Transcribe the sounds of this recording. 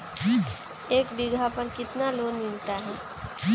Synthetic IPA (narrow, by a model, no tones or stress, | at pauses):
eːkbɪɡʱapəɾkɪt̪naloːnmɪlt̪aɦɛː